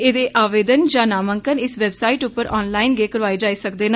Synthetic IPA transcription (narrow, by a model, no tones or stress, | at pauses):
eːd̪eːʔaːʋeːd̪ənd͡ʒãːnaːməŋkənɪsʋɛːbsaːiːʈʊpːəɾʔɔːnlaːɪnɡeːkəɾʋaːid͡ʒaːiːsək̚d̪eːna